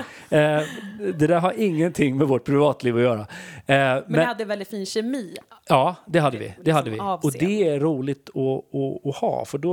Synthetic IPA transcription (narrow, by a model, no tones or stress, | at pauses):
d̪ɛd̪æːɾɦaɾɪŋːənt̪ʰɪŋːmɛvɔʈ̚ːpʰɾɪvɑːt̪liːvɔjœːɾa | mɛɛhad̪ːɛvɛlɪt̪fiːnɕɛmiːɑːd̪ɛɦad̪ːəvɪ̰d̪̥ɛhad̪ːəvɪ̰ɔd̪ɛæːuːlɪt̪ɔɔːhɑ̰ːfœɖɔ